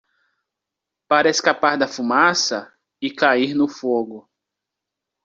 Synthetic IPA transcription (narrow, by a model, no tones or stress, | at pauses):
paɾɐeskapaɾd̪ɐfumasɐ | ɪkaiɾnʊfoɡʊ